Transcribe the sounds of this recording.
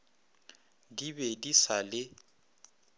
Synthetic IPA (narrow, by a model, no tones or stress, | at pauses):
dibedisalɪ